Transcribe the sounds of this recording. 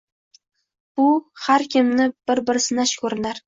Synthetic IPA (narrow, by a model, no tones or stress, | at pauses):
b̥ʊhaɾkʲʰɪmnɪb̥ɪɾbɪɾsɪnaʃkʰʲɵɾɪnaɾ